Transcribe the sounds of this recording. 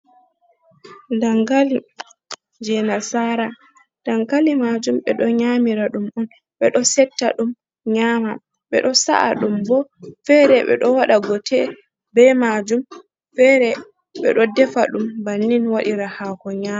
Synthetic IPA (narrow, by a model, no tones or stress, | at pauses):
ndaŋɡali | d͡ʒɛnasaɾa | d̥aŋɡalimad͡ʒumɓɛɗɔɲamiɾaɗumʔɔn | ɓɛɗɔsɛtːa̰ɗum | ɲaːma | ɓɛ̰ɗɔsa̰ʔa̰ɗumbɔfɛɾɛɓɛ̰ɗɔwaɗaɡɔtʰɛ | bɛmad͡ʒum | fɛɾɛ | ɓɛɗɔdɛfaɗumbanːinwaɗiɾahaːkɔɲaːa